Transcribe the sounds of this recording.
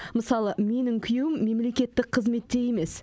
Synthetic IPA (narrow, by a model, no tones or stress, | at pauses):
məsɑlˠəme̞nɪŋkʲʰʏjewɪmːe̞mle̞kʲe̞t̪ːɪk̚qʰəzme̞t̪ːe̞je̞me̞s